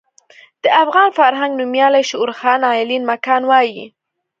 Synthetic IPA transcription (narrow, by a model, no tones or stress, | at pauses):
d̪̥əafɣɑnfaɾɦaŋɡnumjɑlajʃʊuɾxɑnɑɪlinmakɑnwɑji